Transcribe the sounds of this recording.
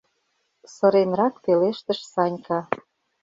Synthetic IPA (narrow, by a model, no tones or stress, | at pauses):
sə̆ɾenrɑkpeleʃt̪əʃsɑnʲkɑ